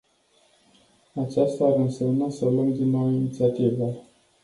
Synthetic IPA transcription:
at͡ʃast̪aːɾɨnse̞mnasəlumd̪inːowinit̪siat̪ivə

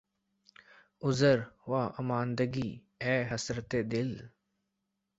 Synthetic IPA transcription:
ʊzəɾʋaːʔəmaːnd̪əɡiː | ɛːɦəsɾət̪eːd̪ɪl

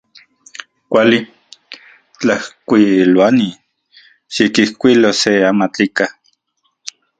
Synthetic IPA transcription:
kʷali | t͡ɬahkʷilwani | ʃikihkʷiloseamat͡ɬika

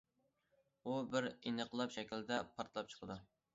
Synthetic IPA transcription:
ubɪɾenəqlˠɑpʃɛkʲild̪ɛpʰɑɾt̪lˠɑp̚t͡ʃʰə̥qʰəd̪u

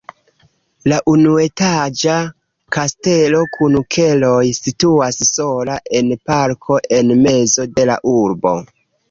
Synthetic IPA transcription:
laʔunue̞tad͡ʒa | kaste̞lo̞kʰunukʰe̞lo̞jsituasso̞laʔe̞npaɾkʰo̞ʔe̞nme̞zo̞de̞la̰ʔuɾbo̞̰

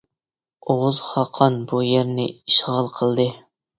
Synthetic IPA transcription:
oʁʊzχɑqʰɑnbujeɾnɪ̰iʃʁəlˠqʰəlˠd̪ɨ

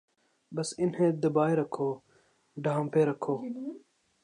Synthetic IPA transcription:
bɐsɪnhẽːd̪ɐbaːeɾɐkʰoː | ɖʱãːmpeːɾɐkʰoː

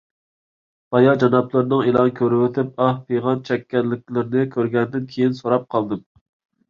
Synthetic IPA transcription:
b̥ɑjɑd͡ʒɑnɑplˠɨɾnɨŋelˠɑnkʲʰøɾwɪt̪ʰɪp̚ɑhpʰejʁɑnt͡ʃʰɛkʲːɛnlːɪk̚ʲlɪɾɪnɪkʲʰøɾɡʲɛnd̪ɪnkʲʰejinsoɾɑp̚qʰɑlˠd̪ɨm

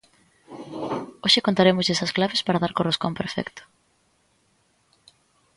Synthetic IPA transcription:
oʃɪkont̪aɾemʊzʎesɐsklaβespaɾaðaɾkoroskompeɾfɛ̰kt̪ʊ̥

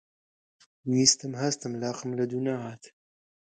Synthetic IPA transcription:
nist̪əmhast̪əmlɑːqəmlad̪unaaːt̪ʰ

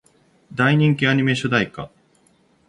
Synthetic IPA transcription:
d̪aiɲ̟ĩŋk̬ʲiaɲ̟ime̞ɕod̪aika̰

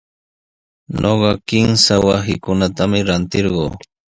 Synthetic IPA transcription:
ɲoɢɑkɪŋsawasɪkʊnat̪amɪɾant̪ɪɾɢo̰ː

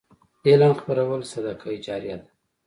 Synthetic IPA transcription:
elɑnxpaɾawəlsad̪akʰajd͡ʒɑɾja̰d̪ḁ

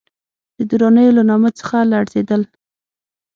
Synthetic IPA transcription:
d̪̥əd̪uɾɑnəjolanɑmət͡sə̥xalaɽzed̪əl

